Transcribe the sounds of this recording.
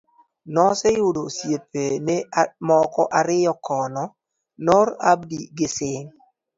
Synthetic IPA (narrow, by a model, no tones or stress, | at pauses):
nɔsɛjudosjep̚enɛmɔkɔʔaɾɪjɔkʰɔnɔ | nɔɾabdiɡɪsɪŋ